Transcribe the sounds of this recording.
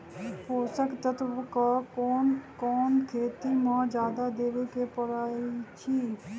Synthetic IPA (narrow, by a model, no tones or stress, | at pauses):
poːsəkt̪ət̪bkaːoːnkɔːnkʰeːt̪iːmãːd͡ʒjaːd̪aːd̪eːʋeːkeːpəɾaːit͡ʃʰiː